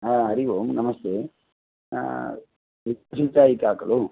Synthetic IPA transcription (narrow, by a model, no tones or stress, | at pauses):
ɦaɦɐɾiʋomnɐmɐst̪ḛː | ʋitɐsit͡ʃaːjikaːkɐlu